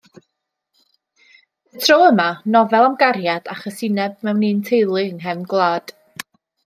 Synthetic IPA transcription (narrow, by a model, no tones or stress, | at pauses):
ətʰroəmanɔvɛlˠamɡarjad̥aχɔsɪnɛb̚mɛwniːntʰejlˠɪŋɦɛmɡlˠaːd̥